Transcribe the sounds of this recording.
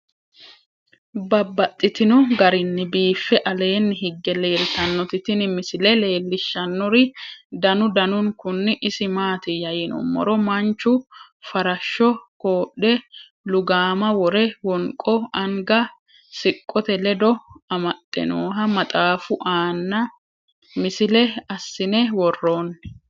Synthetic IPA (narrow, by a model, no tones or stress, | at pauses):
bɐbːɐt̪ʼːɪt̪ɪnɔɡɐɾɪnːɪbiːfːɛʔɐle̞ːnːɪɦɪɡːɛle̞ːɾɪt̪ɐnːɔt̪ɪt̪ɪnɪmɪsɪlɛle̞ːlːɪʃːɐnːɔɾɪd̪ɐnʊd̪ɐnʊŋkʊnːɪʔɪsɪmaːt̪ɪjɐjɪnɔ̰mːɔ̰ɾɔmɐnt͡ʃːʊ | fɐɾɐʃːɔkoːɗːɛ | lʊɡaːmɐwɔɾɛwɔŋkʼɔɐŋɡɐ | sɪkʼːɔt̪ɛlɛd̪ɔɐmɐt̪ʼːɛ̰noːɦɐmɐt̪ʼaːfʊʔaːnːɐ | mɪsɪlɛɐsːɪnɛwɔrːo̞ːnːɛ